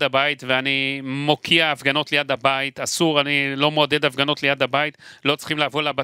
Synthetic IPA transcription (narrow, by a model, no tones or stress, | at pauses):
dabait̪veanimo̞kʰiaːfɡano̞tlejad̪abait̪asuʁanilo̞moad̪e̞d̪afɡano̞tle̞jad̪abait̪lo̞t͡sl̥χimlaːvolaba